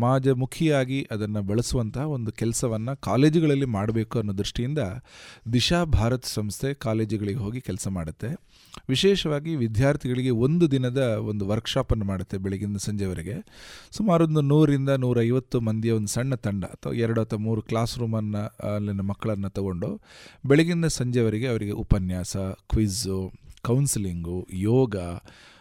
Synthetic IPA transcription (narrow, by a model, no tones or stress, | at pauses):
maːd͡ʒɐmukʰjɐaːɡiʔɐd̪ɐnːɐbɐɭɐsuʋɐnt̪ʰɐɦɐo̞nd̪ukɛlɐsɐʋɐnːɐkaːle̞ːd͡ʒiɡɐɭɐlːimaːɽɐbe̞ːkuɐnːuːd̪ɾiʂʈijind̪ɐd̪iʃaːbʱaːɾɐt̪ɐ̥sɐmst̪ʰe̞kaːle̞ːd͡ʒiɡɐɭiɡeɦo̞ːɡikɛlsɐma̰ːɽut̪ːe̞ | ʋiʃɛːʃɐʋaːɡiʋid̪ʱjaːɾt̪ʰiɡɐɭiɡe̞o̞nd̪ud̪inɐd̪ɐo̞nd̪uʋɐɾkʂaːpɐnːɐmaːɽut̪ːebɛɭiɡind̪ɐsɐɲd͡ʒɛʋɐɾiɡe̞sumaːɾond̪unuːɾɾind̪ɐnuːɾɐjʋɐt̪ːumɐnd̪ʱjɐond̪usɐɳːɐt̪ɐɳɖɐɐt̪ʰːɐ̰ɛɾɐɽuɐt̪ːɐmuːɾuklaːsɾuːmɐnːɐːlːinɐmɐkːɐɭɐnːɐt̪ɐɡo̞ɳɖubɛɭeɡind̪ɐsɐɲd͡ʒɛʋɐɾiɡe̞ɐʋɐɾiɡe̞ʔupɐnjaːsɐkʋizukɐwnsiliŋɡujɔːɡɐ